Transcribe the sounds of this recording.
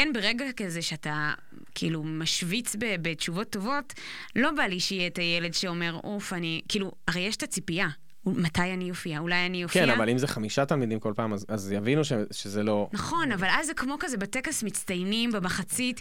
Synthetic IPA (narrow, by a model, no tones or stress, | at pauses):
kenbeʁeɡakazeʃeata | kʰḭːlumaʃvit͡sbebet͡ʃuvo̞tːo̞vo̞t | lo̞baliʃijetajele̞dʃeo̞me̞ʁʔufanikiːluaʁejeʃtat͡sipia | matajanijofiaulajaniofkenavalimzeχamiʃat̪almid̪imko̞lpaːmazazjavinuʃeʃezelonɐχo̞navalazːekmo̞kazebatekasmit͡stajnimbemaχat͡sit